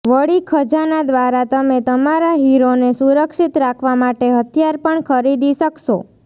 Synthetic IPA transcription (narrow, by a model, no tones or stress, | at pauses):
ʋəɭikʰəd͡ʒanad̪ʋaɾat̪əmet̪əmaɾaɦiɾonesuɾəkʃit̪ɾakʰʋamaʈeɦət̪ʰjaɾpəɳkʰəɾid̪iʃəkʃo